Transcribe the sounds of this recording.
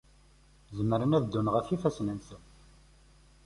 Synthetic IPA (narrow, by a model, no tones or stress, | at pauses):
zəmːəɾənæðd̪ːunʁəfifæsnænsən